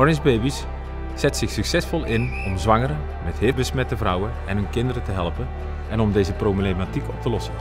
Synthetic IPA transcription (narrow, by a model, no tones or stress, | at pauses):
ɔɹɪnzbejbis | z̥ɛtsɪxsɵksɛsfɔlˠɪnɔmzʋɑŋəɾə | mɛtɦɪbəsmɛtəvrʌwənɛnɦənkɪndəɾətəɦɛlˠpə | ɛnɔmdejzəproblematikɔp̚təlɔsə